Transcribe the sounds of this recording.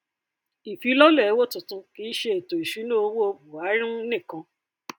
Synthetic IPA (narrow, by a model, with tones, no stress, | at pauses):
i˨fi˨˧˦lɔ˦lɛ˦˨˦wo˦tũ˨tũ˨˧ki˦ʃe˧e˨to˨i˨ʃu˨˦nũ˦o˧wo˦o˧bu˨a˨˦ɾĩ˦nĩ˦˨kã˧